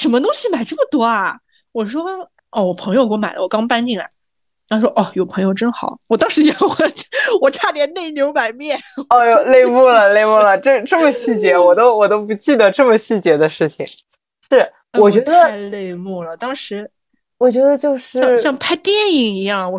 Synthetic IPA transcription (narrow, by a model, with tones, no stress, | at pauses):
ʂə˧˥nmə˧t̪ʊ˥ŋɕi˨ma˨˩ɪʈ͡ʂə˥˩mə˩t̪wɔ˥ɐ˨˩ | wɔ˨˩ʂ̬wɔ˥ | ɔ˥˩wɔ˨˩pʰɤ˧˥ŋjo˧ʊkɔ˥ma˨˩ɪlə˦wɔ˨˩kɑ˥ŋpa˥nt͡ɕi˥˩ŋa̰˨˩˦ | ɻʂwɔ˥ʔɔ˥˩jo˨˩ʊpʰɤ˧˥ŋjo˥˧ʊʈ͡ʂə˥nxɑ˨˩˦ʊwɔ˨˩t̪ɑ˥ŋʂɻ̩˧˥jɛ˨˩xə˥˩wɔ˨˩ʈ͡ʂʰa˥˩t̪jɛ˧˥nne˥˩ɪ˧njo˧˥ʊma˨˩ɪmjɛ˥˩nɔ˥˩jo˧˩le˥˧ɪmu˥˩lə˩le˥˧ɪmu˥˩lə˩ʈ͡ʂɤ˥˩ʈ͡ʂɤ˥˩mə˩ɕi˥˩t͡ɕjɛ˧˥wɔ˨˩t̪o˥ʊwɔ˨˩t̪o˥ʊp̬u˧˥t͡ɕi˥˩d̪ə˩ʈ͡ʂɤ˥˩mə˩ɕi˥˩t͡ɕjɛ˧˥d̪ə˧ʂɻ̩˥˩t͡ɕʰḭ˩ŋ | ʂɻ̩˥˩ | e˥˩wɔ˨˩t͡ɕɥɛ˧˥d̪ə˧˥˧le˥˧ɪmu˥˩lə˩t̪ɑ˥ŋʂɻ̩˧˥ | wɔ˨˩t͡ɕɥɛ˧˥d̪ə˧t͡ɕjo˥˧ʊʂɻ̩˥ɑ˥˧ŋɕɕjɑ˥˧ŋpʰa˥˧ɪt̪jɛ˥˩ni˨˩ŋi˧˥jɑ˥˩ŋwɔ˨˩